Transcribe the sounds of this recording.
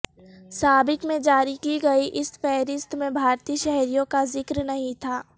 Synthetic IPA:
saːbɪkmẽd͡ʒaːɾikiɡɐiʔɪsfɛːɾɪst̪mẽbʱaːɾt̪iːʃɛɦɾijõkazɪkɾnɐɦĩt̪ʰaː

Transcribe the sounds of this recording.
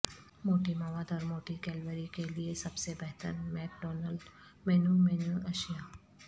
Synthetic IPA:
moːʈimaʋaːd̪ɔːɾmoːʈikɛːlʋəɾikeliesɐbsebɛɦt̪ə̰ɾmɛːp̚ɖɔːnəlɖ | mɛːnumɛːnuɐʃijaː

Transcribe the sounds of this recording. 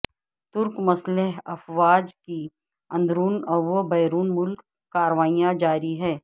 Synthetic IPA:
t̪ʊɾkmɐsleɦɐfʋaːd͡ʒki | ɐ̃nd̪ɾuːnɔʋobɛːɾuːnmʊlkː | aːɾʋaːijãd͡ʒaːɾiɦɛː

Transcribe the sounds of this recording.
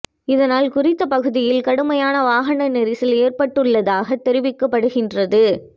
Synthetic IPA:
ɪðɐnaːlkʊrɪt̪ːɐpɐɣɯðɪjɪlkɐɽɯmɐjaːnɐʋaːɣɐɳɐnɪɾɪsɪleːrpɐʈːɯɭːɐðaːɣɐt̪ːɛɾɪʋɪkːɐpːɐɽɯɣɪndrɐðɯ

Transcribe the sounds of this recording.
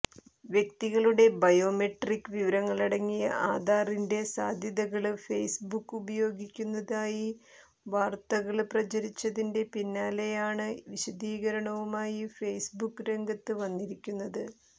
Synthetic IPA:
ʋjekt̪iɣɐɭuɽe̞bɐjo̞ːmeʈrikːɨʋiʋɐɾɐŋːɐɭɐɽɐŋːijɐ̰ʔaːd̪ʱaːrinde̞saːd̪ʱjɐðɐɣɐɭfejsbukːubɐjo̞ːɡikʲːunːɐðaːji | ʋaːrt̪ɐɣɐɭprɐt͡ɕɐɾit͡ɕːɐðinde̞pinːaːle̞jaːɳɨʋiɕɐd̪iːɣɐɾɐɳɐʋumaːjifejsbukːɨɾe̞ŋɡʱɐt̪ːɨʋɐnːiɾikʲːunːɐðɨ

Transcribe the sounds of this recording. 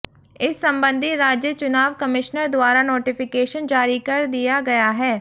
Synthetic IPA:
ɪsːəmbə̃nd̪ʱiɾaːd͡ʒjət͡ʃʊnaːʋkəmɪʃnəɾd̪waːɾaːnoːʈɪpʰɪkeːʃənd͡ʒaːɾiːkəɾd̪ɪjaːɡɐjaːɦɛː

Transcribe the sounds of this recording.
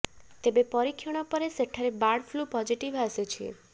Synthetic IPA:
t̪ebepɔɾikʰːjɔɽ̃ɔpɔɾeseʈʰaɾebaɽfʰlupɔd͡ʒiʈiʋɦaset͡ʃʰiḛ

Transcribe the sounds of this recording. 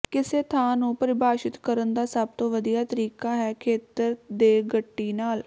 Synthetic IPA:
kɪseːt̪ʰaːnũːpəɾɪbaːʃɪt̪kəɾənd̪aːsəb̚t̪õːʋəd̪ijaːt̪əɾiːkaːɦɛːkʰeːt̪əɾd̪eːɡəʈːiːnaːl

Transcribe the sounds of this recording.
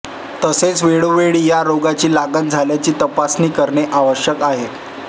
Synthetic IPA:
t̪əset͡sʋeɭoʋeɭiːjaɾoɡat͡ɕiːlaɡan̚d͡zʱaljat͡ɕiːt̪əpasniːkəɾɳeʔaʋəɕjəkaɦe

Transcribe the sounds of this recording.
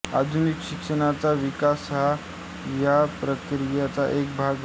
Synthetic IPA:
ad̪ʱunikɕikʂəɽ̃at͡saʋikasɦa | japɾət̪ɾijat͡saʔek̚bʱaɡ

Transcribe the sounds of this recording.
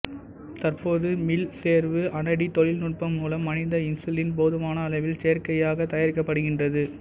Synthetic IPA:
t̪ɐrpoːðɯmɪlseːɾʋɯʔɐnɐɽit̪ɔɻɪlnʊʈ̚pɐmːuːlɐmːɐnɪðɐɪnsɯlɪnpoːðɯmaːnɐːlɐɪʋɪlsejɐɾkɐjaːɣɐt̪ɐjɐɾkːɐpːɐɽɯɣɪndrɐðɯ

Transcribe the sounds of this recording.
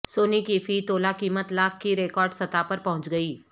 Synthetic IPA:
soːnikifiːt̪oːlakiːmət̪laːkʰkiɾeːkɔːɾɖsɐt̪apɐɾpɐɦʊ̃t͡ʃɡɐiː

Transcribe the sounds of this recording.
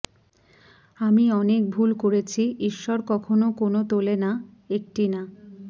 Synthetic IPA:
amiɔnek̚bʱulkoɾet͡ɕʰiiʃːɔɾkɔkʰonokonot̪olena | ek̚ʈina

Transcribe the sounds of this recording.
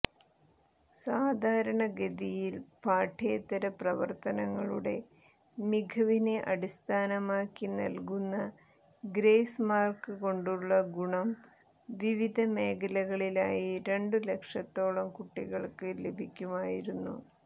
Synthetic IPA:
saːd̪ʱaːɾɐɳɐɡed̪ijilpaːʈʰeːt̪ːɐɾɐprɐʋɐ̰rt̪ɐnɐŋːɐɭuɽe̞ | miɡʱɐʋineʔɐɽist̪ʰaːnɐmaːkːinɐ̰lkunːɐ | ɡɾeːsmaːrkɨko̞ɳɖuɭːɐɡuɳɐm | ʋiʋid̪ʱɐme̞ːkɐlɐɣɐɭilaːjiɾe̞ɳɖɨle̞kʂɐt̪ːo̞ːɭɐmkuʈːiɣɐɭkɨlebʱikʲːumaːjiɾunːṵ

